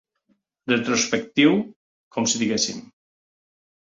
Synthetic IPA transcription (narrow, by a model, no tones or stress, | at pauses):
ret̪ɾuspek̚t̪iw | kʰɔmsiðiɣesim